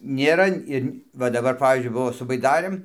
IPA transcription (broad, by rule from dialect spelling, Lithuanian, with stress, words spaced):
nʲeːˈrɐ ɪr ˈʋɐ dɐˈbɐr ˈpɑːʋʲiːzʲd͡ʒʲʊɪ ˈbʊʋoː sʊ bɐɪˈdɑːrɘm